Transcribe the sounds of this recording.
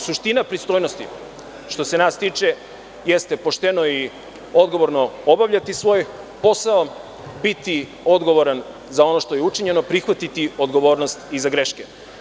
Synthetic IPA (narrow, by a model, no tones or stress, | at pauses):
suʃt̪inapɾist̪ojno̞st̪ḭ | ʃt̪o̞se̞nast̪iːt͡ʃe̞ | jest̪e̞po̞ʃt̪eno̞i | o̞d̪ɡo̞ʋo̞ɾno̞obaʋʎat̪isʋo̞ːj | po̞sao | bit̪i | o̞d̪ɡo̞ʋo̞ɾan | zao̞no̞ʃt̪o̞jeut͡ʃiɲe̞no̞pɾixʋat̪it̪io̞d̪ɡo̞ʋo̞ːɾnost̪izaɡɾeʃke